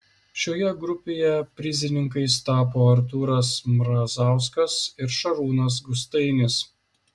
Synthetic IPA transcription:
ʃʲoːjɛɡɾʊpʲeːjɛpʲɾʲɪzʲɪnʲɪŋkɐɪst̪ɑːpoːɐɾt̪̬uːɾɐsmɾɐzɑˑʊskɐsɪɾʃɐɾuːnɐs̬ɡʊst̪ɐɪnʲɪs

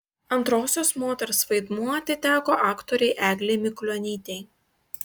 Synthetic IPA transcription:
ɐnt̪ɾoːsʲoːsmoːt̪ʲɛɾsʋɐɪd̪muɔt̪ʲɪt̪ʲæːkoːʔɑːkt̪ɔɾʲɛɪʔæːɡlʲɛɪmʲɪklʲɔnʲiːt̪ʲɛɪ

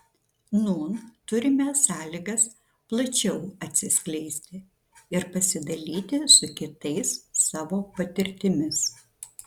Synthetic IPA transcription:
nuːnt̪ʊɾʲɪmʲɛːsɑːlʲiːɡɐs | plˠɐt͡ʃʲɛʊɐt̪ʲsʲɪsʲklʲɛɪsʲt̪ʲɪ | ɪɾpɐsʲɪd̪ɐlʲiːt̪ʲɪsʊkʲɪt̪ɐɪsːɑːʋoːpɐt̪ʲɪɾʲt̪ʲɪmʲɪs

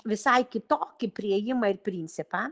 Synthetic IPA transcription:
ʋʲɪsɐjkʲɪt̪oːkʲɪpʲɾʲiɛjɪmɐɪɾpɾʲinʲt͡ssʲɪpɐ

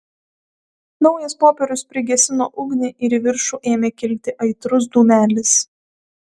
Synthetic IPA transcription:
nɒʊjɛspoːpʲɛɾʲʊspʲɾʲɪɡʲɛsʲɪno̰ːʔʊɡnʲeʔɪɾiʋʲɪɾʃuːʔeːmʲeːkʲɪlʲt̪ʲɪʔɐɪt̪ɾʊs̬d̪uːmʲæːlʲɪs

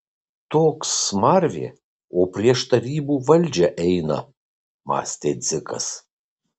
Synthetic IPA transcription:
t̪oːksmɐɾʲʋʲḛː | oːpʲɾʲiɛʃt̪ɐɾʲiːbuːʋɐlʲd͡ʒʲɛʔɛɪnɐ̰ | mɑ̰ːsʲt̪ʲeːd̪zʲɪkɐ̰s

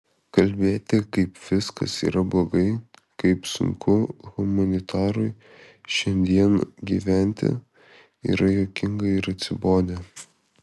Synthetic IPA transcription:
kɐlʲbʲeːt̪ʲɪkɐɪpʋʲɪskɐ̰sḭːɾɐblˠoːɡɐɪkɐɪpsʊ̰ŋkʰʊɣʊmɐnʲɪt̪ʰɑːɾʊɪ | ʃʲɛnʲd̪ʲiɛnɡʲiːʋʲænʲt̪ʲɪ̰ | ḭːɾɐjoːkʲɪŋɡɐɪɾɐt̪ʲsʲɪboːnʲɛ

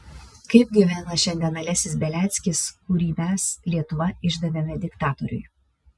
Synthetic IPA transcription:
kɐɪp̚ɡʲiʋʲæːnɐʃʲɛnʲd̪ʲɛnɐlʲɛæsʲɪsbʲɛlʲæːt̪sʲkʲɪskʊɾʲiːmʲæslʲiɛt̪ʊʋɐɪʒd̪ɐʋʲɛmʲɛd̪ʲɪkt̪ɑːt̪ɔɾʲʊ̰j

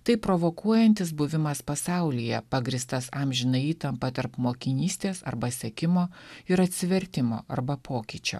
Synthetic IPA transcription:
t̪ɐɪpɾoʋoːkuɔjɛnʲt̪ʲɪs̬bʊʋʲɪmɐspɐsɑˑʊlʲijɛpɑɡɾʲist̪ɐsɑmʲʒʲɪnɐɪiːt̪ɐmpɐt̪ɐɾpmoːkʲɪnʲiːsʲt̪ʲeːsɐ̰ɾbɐsʲɛkʲɪmoːɪɾɐt̪ʲsʲɪʋʲɛɾʲt̪ʲɪmo̰ːʔɐ̰ɾbɐpʰoːkʲit͡ʃʲo̰ː

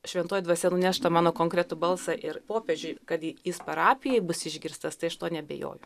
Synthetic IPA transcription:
ʃʲʋʲɛnt̪oːjd̪ʋɐsʲɛnʊnʲæːʃt̪ɐmɑːnoːkoːŋkɾʲɛt̪ʊbɐlˠsɑʔɪɾpoːpʲed͡ʒʲʊɪkɐt̪jɪspɐɾɑːpʲɪjɛɪbʊsɪʒʲɡʲɪɾst̪ɐst̪ɐɪɐʃt̪oːnʲɛbʲḛjo̰ːjʊ

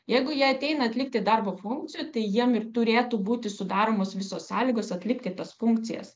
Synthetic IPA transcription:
jɛɪɡʊjiɛɐt̪ʲɛɪnɐɐt̪ʲlʲɪk̚t̪ʲɪd̪ɐrboːfʊŋk̚t̪sʲɪjuːt̪ɐɪjiɛmɪrt̪ʊɾʲeːt̪uːbuːt̪ʲɪsʊd̪ɑːɾoːmoːsʋʲɪsoːssɑːlʲiːɡoːsɐt̪ʲlʲɪkt̪ʲɪt̪ɐsfʊŋk̚tt͡s̪ʲɪjɛ̰s

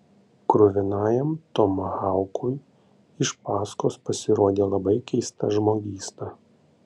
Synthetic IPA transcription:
kɾʊʋʲɪnɑːjɛmt̪ɔmɐhɑˑʊkʰʊj | ɪʃpɑːskoːspɐsʲɪɾoːd̪ʲeːlˠɐbɐɪkʲɛɪst̪ɐ̰ʒmoːɡʲiːst̪ɐ

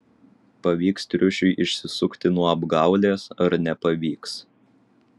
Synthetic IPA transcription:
pɐʋʲiːkst̪ʲɾʲʊʃʲʊɪʔɪʃʲsʲɪsʊkt̪ʲɪnuɔɐbɡɑˑʊlʲeːsɐɾnʲɛpɐʋʲiːks

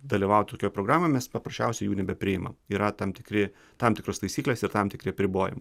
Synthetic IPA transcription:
d̪ɐlʲiʋɐʊt̪ʲɪt̪oːkʲoːjpɾoːɡɾɑːmomʲɛspɐpɾɐʃʲt͡ʃʲɛʊsʲɛɪjuːnʲɛbʲɛpʲɾʲɪɪmɐ̰miːɾɐt̪ɐmt̪ʲɪkɾʲɪ | t̪ɐmt̪ʲɪkɾost̪ɐɪsʲiːklʲeːsɪɾt̪ɑmt̪ʲɪkɾʲɪɐpʲɾʲɪboːjɪ̰m

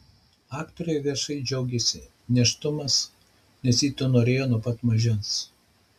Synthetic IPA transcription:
ɑːkt̪oːɾʲɛɪʋʲiɛʃɐɪd͡ʒʲɛʊɡʲɛsʲɪ | nʲɛʃt̪ʊmɐs | nʲɛsiːt̪onoːɾʲeːjoːnʊpɐt̪mɐʒʲɪns

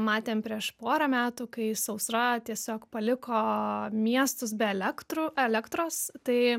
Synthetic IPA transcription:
mɑːt̪ʲeːmpʲɾʲiɛʃpoːɾɐmʲæːt̪uːkɐɪsɐʊsɾɐt̪ʲiɛsʲoːkpɐlʲɪkoːmʲiɛst̪ʊsbʲɛɛlʲɛkt̪ɾʊɛlʲɛkt̪ɾoːst̪ɐɪ

